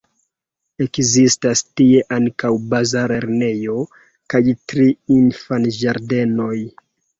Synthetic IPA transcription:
e̞kzistastie̞ʔaŋkawbazaɾeɾne̞jo̞ | kajtɾiinfanʒaɾde̞no̞j

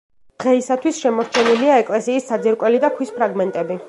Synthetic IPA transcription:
d̪̥ʁɛisat̪ʰwisʃɛmɔɾt͡ʃʰɛniliaɛkʼlɛsiːsːad̪ziɾkʼwɛlid̪akʰwispʰɾaɡmɛnt̪ʼɛbi

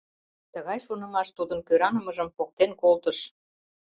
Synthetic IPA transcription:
t̪əɣɑjʃonə̆mɑʃt̪ud̪ə̆nkøɾɑnə̆mə̆ʒə̆mpok̚t̪enkolt̪ə̆ʃ

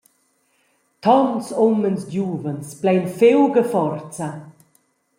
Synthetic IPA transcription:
t̪ɔnsɔmənsdjuːvənsplɛjnfewɡəfɔrt͡sa

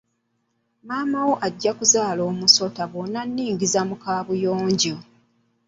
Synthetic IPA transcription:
maːmawo̞ʔaɟːakuzaːlo̞ːmuso̞taβonːanːiːŋɡizamukaːβujoːɲɟo

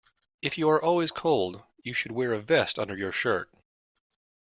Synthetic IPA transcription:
ɨfjɨə˞ʔɔlˠwiz̥kʰoʊlˠd | jɨʃɨd̚wɛɹɨvɛstʌ̰̃ndə˞jə˞ʃɜ̰˞t̚

